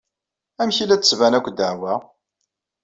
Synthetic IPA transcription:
æmçilæt͡sːə̥svænækʷːd̪əʕwæ

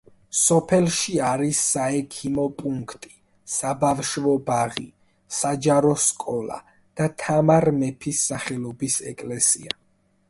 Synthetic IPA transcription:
sɔpʰɛlʃiaɾisːaɛkʰimɔpʼuŋkʰt̪ʼi̥ | sabavʃvɔbaʁḭ | sad͡ʒaɾɔskʼɔla̰ | d̪̥at̪ʰamaɾmɛpʰisːaχɛlˠɔbisɛkʼlɛsḭa

